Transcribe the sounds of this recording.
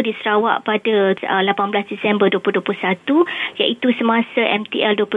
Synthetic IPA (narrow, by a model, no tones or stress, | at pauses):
disəɾawa̰ʔpadaəlapanblasdisɛmbərduəpluduaplusat̪ujaʔit̪usəmãsaʔɛmt̪iɛlduopu